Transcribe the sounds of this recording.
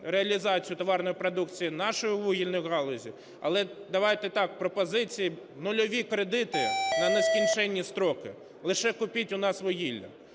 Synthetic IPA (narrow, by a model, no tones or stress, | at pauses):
ɾeɐlʲizɑt͡sʲijʊt̪ɔʋɑrnɔjʊpɾɔd̪ukt͡sʲijinɑʃɔjʊʋuɦʲilʲnɔjʊɦɑlˠɔzʲḭ | ɐ̰lˠɛd̪ɐʋɑjt̪ɛt̪ɑk̚pɾɔpɔzɪt͡sʲiji | nʊlʲɔʋʲikɾed̪ɪt̪ɪnɐneskʲinʲt͡ʃɛnʲːist̪ɾɔkɪ | lˠɪʃɛkʊpʲitʲʊnɑsʋɔɦilʲːɐ̰